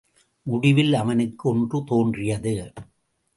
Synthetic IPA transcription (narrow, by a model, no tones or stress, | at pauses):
mʊɽɪʋɪlɐʋɐnɯkːɯɔɳdrɯt̪oːndrɪjɐðɯ